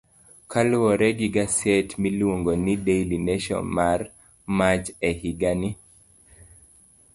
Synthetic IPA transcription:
kʰalwɔɾɛɡiɡasɛtmiluwoŋɡonidejlineʃɔ̰nmar | mat͡ʃɛhiɡani

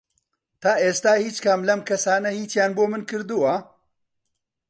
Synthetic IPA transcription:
t̪aːʔeːst̪aːhiːt͡ʃkɐmlɐmkʰɐsaːnɐhiːt͡ʃjaːnboːmɨnkɨɾd̪uwɐ

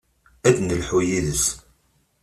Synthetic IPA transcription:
æd̪nəlħujiðəs

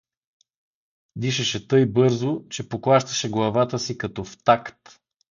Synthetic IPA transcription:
d̪iʃɛʃɛt̪ɤjbɤɾzot͡ʃɛpoklˠaʃt̪ə̥ʃɛɡlˠɐvat̪əsikɐt̪ɔft̪akt̪

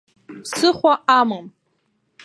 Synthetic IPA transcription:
psɨχʷaʔamɨm

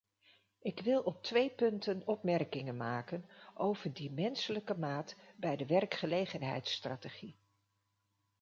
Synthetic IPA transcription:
ɪkʋɪlˠɔp̚tʋejpɵntənɔpmɛrkɪŋənmaːkənʔowv̥əɹdimɛnsələkəmaːtbɛjdəʋɛrkχəlejχənɦɛ̰jtstraːteχi

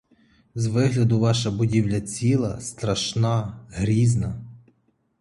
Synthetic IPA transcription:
zʋɪɦlʲɐd̪ʊʋɑʃɐbʊdʲiwlʲɐt͡sʲilˠɐst̪ɾɐʃnɑɦɾʲiznɐ

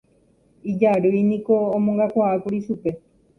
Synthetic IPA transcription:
id͡ʒaɾɨjnĩkõːmõŋɡakʷaakuɾiʃupe̞

